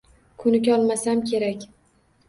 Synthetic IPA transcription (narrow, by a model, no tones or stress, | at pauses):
kʰʊnɪkʲɒlˠmasamkʲʰe̞ɾakʲ